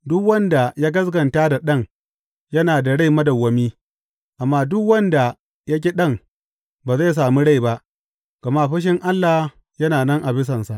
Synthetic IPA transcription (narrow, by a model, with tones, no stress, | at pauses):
dʊ˦kwɐ˦nda˨jaː˦ɡɐ˦s̬ɡɐ˨nta˦da˨ɗɐ˦ŋ | jɐ˦naː˨da˨ɽa˦jmɐ˦dɐ˨wːɐ˦miː˦ | ʔa˨mːaː˦dʊ˦kwɐ˦nda˨ | ja˦k̬ʲi˦ɗɐ˦˨ŋ | baː˨za˦js̬aː˨mu˦ɽa˦˨jba˦ʔ | ɡ̥ɐ˨ma˦ɸɐ˦ʃ̬ɪ˦ŋʔa˦lːa˨h | jɐ˦naː˨nɐ˦ŋʔa˨bɪ˦s̬ɐ˨nsa˨ʔ